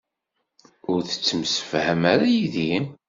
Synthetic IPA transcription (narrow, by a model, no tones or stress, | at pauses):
ʊɾθə̥t͡sːəmsə̥fhəmaɾajiði